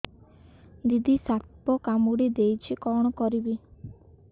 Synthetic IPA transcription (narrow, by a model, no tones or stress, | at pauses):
d̪id̪ʱisat̪pɔkamuɽid̪ejt͡ʃʰikɔɽ̃ɔkɔɾibi